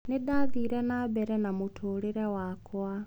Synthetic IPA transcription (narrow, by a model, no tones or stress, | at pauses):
nidaðiɾɛnabɛɾɛnamutʰuɾiɾɛwakwa